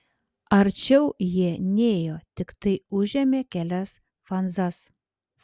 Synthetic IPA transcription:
ɐɾʲt͡ʃʲɛʊjiɛnʲeːjoːt̪ʲɪkt̪ɐɪʊʒʲɛmʲeːkʲælʲɛs | fɐnzɐs

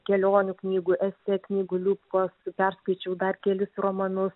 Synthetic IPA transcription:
kʲɛlʲoːnʲʊknʲiːɡuːʔɛsʲɛknʲiːɡʊlʲuːpkoːspʲɛɾskɐɪt͡ʃʲɛʊd̪ɐrkʲɛlʲɪsroːmɐnʊs

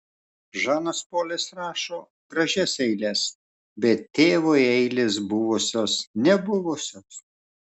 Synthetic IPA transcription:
ʒɑːnɐspoːlʲɪsɾɑːʃoː | ɡ̥ɾɐʒʲɛsɛɪlʲɛs | bʲɛt̪ʲtʲːeːʋoːɛɪlʲɪs̬bʊʋʊsʲoːsnʲɛbʊʋʊsʲoːs

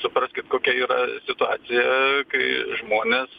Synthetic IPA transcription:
sʊpɾɐsʲkʲɪt̪koːkʲɛiːɾɐsʲɪt̪ʊɑ̰ːsʲɪjɛkɐɪʒmoːnʲeːs

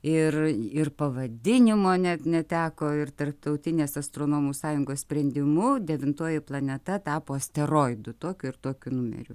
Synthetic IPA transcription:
ɪrɪrpɐʋɐd̪ʲɪnʲɪmoːnʲɛt̪nʲɛt̪ʲæːkoːɪrt̪ɐrp̚t̪ɐʊt̪ʲɪnʲeːsɐst̪ɾoːnoːmuːssɑːjʊŋɡoːssʲpʲɾʲɛnʲd̪ʲɪmʊd̪ʲɛʋʲɪnt̪oːjɪplˠɐnʲɛt̪ɐt̪ɑːpoːɐsʲt̪ʲɛɾoːɪd̪ʊt̪oːkʲʊɪrt̪oːkʲʊnʊmʲɛ̰ɾʲʊ

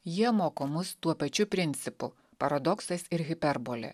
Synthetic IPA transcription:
jiɛmoːkomʊst̪uɔpɐt͡ʃʲʊpʲɾʲɪnʲt̪sʲɪpʊ | pɐɾɐd̪ɔksɐsʲɪɾɣʲɪpʲɛɾbolʲɛ̰

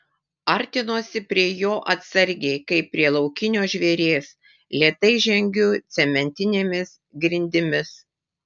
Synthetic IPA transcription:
ɐɾʲt̪ʲɪnoːsʲɪpʲɾʲiɛjoːʔɐt̪sɐɾʲɡʲeɪkɐɪpʲːɾʲiɛlˠɒʊkʲɪnʲoːʒʲʋʲeɾʲeːs | lʲiɛt̪ɐɪʒʲɛŋʲɡʲʊt̪sʲɛmʲɛnʲt̪ʲɪnʲeːmʲɪs | ɡɾʲɪnʲd̪ʲɪmʲɪs

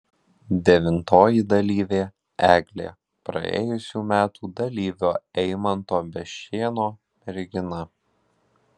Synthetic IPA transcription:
d̪ʲɛʋʲɪnt̪oːjid̪ɐlʲiːʋʲeː | æːɡlʲḛː | pɾɐ̰ḛːjʊsʲuːmʲæːt̪ʰuːd̪ɐlʲiːʋʲoːɛɪmɐnt̪oːbʲɛʃʲeːnoː | mʲɛɾʲɡʲɪnɐ

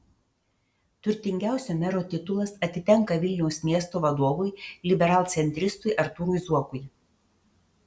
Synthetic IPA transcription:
t̪ʊɾʲt̪ʲɪŋʲɡʲæˑʊsʲoːmʲɛɾoːt̪ʲɪt̪ʊlˠɐsɐt̪ʲɪt̪ʲɛŋkɐʋʲɪlʲnʲɛʊsmʲiɛst̪oːʋɐd̪oːʋʊjlʲɪbʲɛɾɑːlˠt̪sʲɛnʲt̪ʲɾʲɪst̪ʊɪʔɐɾt̪uːɾujzuɔkʊj

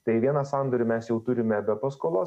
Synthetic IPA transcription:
t̪ɐɪʋʲiɛnɐsɑnd̪oːɾʲɪmʲɛsjɛʊt̪ʊɾʲɪmʲɛbʲɛpɐskoːlˠoːs

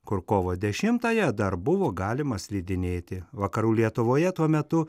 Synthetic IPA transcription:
kʊɾkoːʋoːd̪ʲɛʃʲɪmt̪ɐːjɛd̪ɐɾbʊʋoːɡɑːlʲɪmɐsʲlʲiːd̪ʲɪnʲeːt̪ʲɪʋɐkɐɾuːlʲiɛt̪ʊʋoːjɛt̪uɔmʲɛt̪ʊ

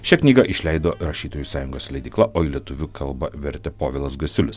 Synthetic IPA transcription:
ʃʲɛknʲiːɡɐʔɪʃʲlʲɛɪd̪oːɾɐʃʲiːt̪oːjusɑːjʊŋɡoːslʲɛɪd̪ʲiːklˠɐʔoːiːlʲiɛt̪ʊʋʲʊkʰɐlˠbɐʋʲɛɾʲt̪ʲɛpoːʋʲɛlˠɐsɡɐsʲʊlʲɪs

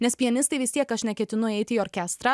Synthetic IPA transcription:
nʲɛspʲiɛnʲɪst̪ɐɪʋʲɪst̪ʲiɛkɐʃnʲɛkʲɛt̪ʲɪnʊɛɪt̪ʲɪːoːɾʲkʲɛːst̪ɾɑː

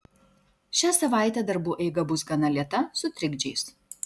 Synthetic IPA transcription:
ʃʲæːsɐʋɑˑɪt̪ʲɛd̪ɐɾbuːʔɛɪɡɐbʊsɡɐnɐlʲiɛt̪ɐsʊt̪ʲɾʲɪɡd͡ʒʲɛɪs

